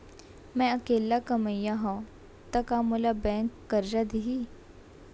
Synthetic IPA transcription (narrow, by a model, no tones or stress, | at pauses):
mɛ̃ɐkeːlakɐməjaɦõ | t̪ɐkaːmʊlabɛ̃ːŋkːɐɾɾad̪iɦiː